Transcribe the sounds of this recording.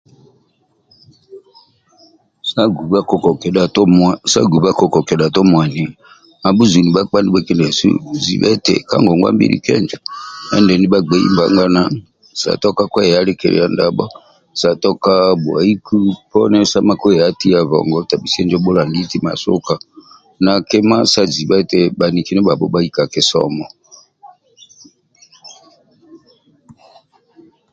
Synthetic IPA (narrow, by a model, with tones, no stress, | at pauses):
sa˦ɡu˨βa˦kɔ˨kɛ˨ɗa˨tmsa̰˦ɡu˨βa˦kɔ˨kɔ˨kɛ˨ɗa˨tɔ˦mwa˨ni˨ | a˨bu˦zu˨ni˨ɓa˦k͡pa˦ndi˦ɓɛ˦kɛ˦ndɛ˨sṵ˦zḭ˨βɛ̰˦tɛ̰˨ka̰˦ŋɡɔ˨ŋɡwa̰˦mbḭ˦ɾḭ˨kɛ̰˦nd͡ʒa˨ɛ̰˦ndɛ˨ni˦ɓa˦ɡ͡bɛ˨˦ḭ˦mba˨˦ŋɡa˦na˦ | sa̰˨tɔ˦ka˦kwɛ˦ɛ˨a˦lɛ˦kɛ˨ɾɛ̰˨a˨nda˨ɓɔ˦ | sa˨tɔ˦ka˦bwa̰˨i˦ku˦pɔ˦nɛ˦sa˦ma˦kɔ˦ɛ˨a˦ti˦a˨βɔ̰˨ŋɡɔ˦ta˨ɓi˨si˦ɛ˦nd͡ʒɔ˦ɓu˦la˨ŋɡi˦ti˦ma̰˨su˦ka˨ | na˨kɛ˦ma˦sa˨zi˨βɛ˦tɛ˦ɓa˨ni˨ki˦nɛ˦ba˨bɔ˦ba˦i˦ka˨kɛ˦sɔ̰˦mɔ˨